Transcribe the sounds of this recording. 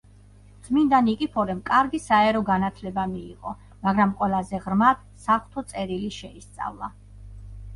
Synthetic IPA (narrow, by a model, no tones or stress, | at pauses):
d̪z̥mind̪anikʼipʰɔɾɛmkʼaɾɡisaɛɾɔɡanat̪ʰlɛbamḭːʁʼɔ̰ | maɡɾamqʼwɛlˠazɛʁɾmat̪ | saχt̪ʰɔt̪sʼɛɾiliʃɛist̪sʼa̰vlˠa